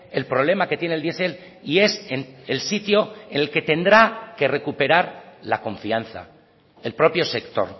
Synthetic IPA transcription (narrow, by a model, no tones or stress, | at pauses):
e̞lpɾo̞β̞le̞make̞t̪je̞neld̪je̞se̞l | ie̞senelsit̪jo̞enelke̞t̪e̞nd̪ɾake̞re̞kupe̞ɾaɾlako̞ɱfianθa̰ | elpɾo̞pjo̞se̞kt̪o̞̰ɾ